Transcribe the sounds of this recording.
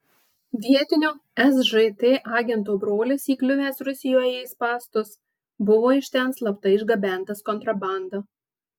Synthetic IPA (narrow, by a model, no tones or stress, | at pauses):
ʋʲiɛt̪ʲɪnʲoːɛsʒɛt̪eːʔɑːɡʲɛnt̪uːbɾoːlʲɪsiːklʲʊʋʲeːsɾʊsʲɪjoːjɛɪspɑːst̪ʊs | bʊʋoːɪʃʲt̪ʲɛnslˠɐpt̪ɐɪɪʒɡɐbʲæˑnt̪ɐskɔnt̪ɾɐbɑˑnd̪ɐ